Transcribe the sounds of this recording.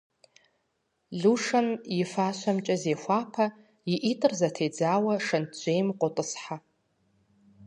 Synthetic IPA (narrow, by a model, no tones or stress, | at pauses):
ɮuʂɨnifaʃʷamt͡ʃʼazejxʷapʰa | iʔitʼɨrzatʰejd͡zaːwaʂɐnʰd͡ʒʷejmqʷʼʊtʼɨsħa